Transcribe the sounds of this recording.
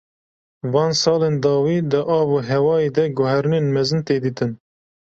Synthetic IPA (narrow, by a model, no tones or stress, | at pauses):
vɑːnsɑːleːnd̪ɑːwiːd̪ɨʔɑːvuːɦɛwɑːeːd̪ɛɡʊɦɛɾɨneːnmɛzɨnt̪eːd̪iːt̪ɨn